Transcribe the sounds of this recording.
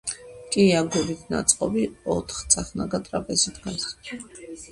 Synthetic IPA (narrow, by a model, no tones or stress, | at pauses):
kʼiaɡubit̪ʰna̰t̪sʼqʼɔbiɔt̪ʰχt̪sʰʼaχnaɡat̪ʼɾapʼɛzit̪ʰɡan